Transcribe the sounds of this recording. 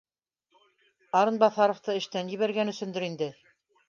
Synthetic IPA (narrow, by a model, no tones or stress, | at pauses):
ɑɾɤnbɑθɑɾŏft̪ɤɘ̆ʃt̪ænjɘ̆βæɾɡænɵ̆sɵ̆nd̪ɘ̆ɾind̪ɘ